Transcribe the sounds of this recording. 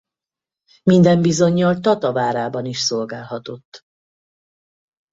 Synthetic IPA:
mind̪ɛmbizo̞ɲːɒlt̪ɒt̪ɒvaːɾaːbɒniʃso̞lɡaːlɦɒt̪o̞t̪ː

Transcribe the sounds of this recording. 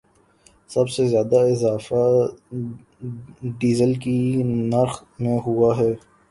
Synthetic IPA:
sɐbsezjaːd̪aɪzaːfa | ɖiːzəlkinɐɾxmẽɦuaɦɛː

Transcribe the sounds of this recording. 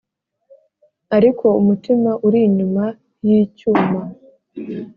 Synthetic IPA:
aɾikʰo̞umutimaʔuɾiɲuma | jicuːma

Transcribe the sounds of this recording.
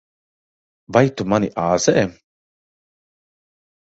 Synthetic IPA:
vajt̪ːumaniʔaːzɛʔɛ

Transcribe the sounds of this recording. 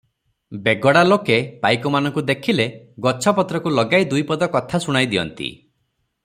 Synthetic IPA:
beɡɔɽalokepajkɔmanɔŋkud̪ekʰile | ɡɔt͡ʃʰɔpɔt̪ɾɔkulɔɡajd̪ujpɔd̪ɔkɔt̪ʰasuɽ̃ajd̪iɔ̰nt̪ḭ

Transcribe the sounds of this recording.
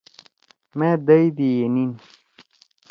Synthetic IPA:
mẽd̪ɐjd̪ijenin

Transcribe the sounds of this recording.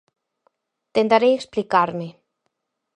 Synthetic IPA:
t̪ent̪aɾejeksplikaɾme

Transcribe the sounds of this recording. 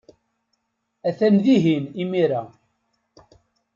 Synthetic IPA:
æθænðiɦinimiɾa

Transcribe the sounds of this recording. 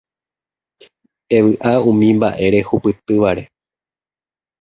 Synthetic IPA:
e̞ʋɨʔaũmĩmba̰ʔe̞ɾe̞hupɨt̪ɨʋaɾe̞

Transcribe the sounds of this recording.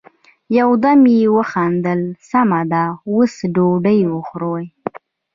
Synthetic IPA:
jawd̪amjewəxɑnd̪əlsamad̪awəsɖoɖəjwəxɾoj

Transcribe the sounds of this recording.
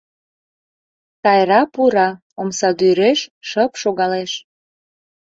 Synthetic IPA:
t̪ɑjɾɑpuɾɑ | omsɑd̪yɾeʃʃəpʃoɣɑleʃ

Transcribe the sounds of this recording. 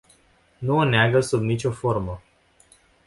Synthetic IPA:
nuoneaɡəsubnit͡ʃʲo̞fo̞rmə

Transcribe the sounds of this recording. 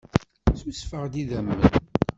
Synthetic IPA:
susfəʁd̪iðæmːən

